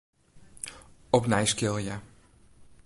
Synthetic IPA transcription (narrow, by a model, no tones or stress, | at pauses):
ɔpnɛjskɪlˠja